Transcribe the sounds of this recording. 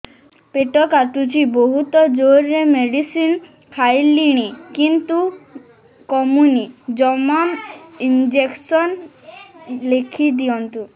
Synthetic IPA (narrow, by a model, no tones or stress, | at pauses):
peʈɔkat̪ut͡ʃiboɦut̪ɔd͡ʒoɾːemeɖisin | kʰajliɽ̃ikint̪u | kɔmunid͡ʒɔmamind͡ʒeksɔn | lekʰid̪ijɔnt̪u